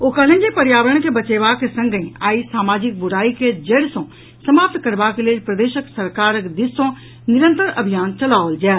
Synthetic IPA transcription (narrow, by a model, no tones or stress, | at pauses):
oːkəlẽnd͡ʒepəɾjaːʋɾəɳ̃kebət͡ʃeːʋaːkesə̃ŋɡĩaːisaːmaːd͡ʒɪk̚bʊɾaːiked͡ʒeːɽsõ | səmaːp̚t̪kəɾʋaːkeleːpɾəd̪eːʃəksəɾkaːɾəkd̪ɪsõː | nɪɾə̃nt̪əɾɐbʱijaːnt͡ʃəlaːʋəld͡ʒɛː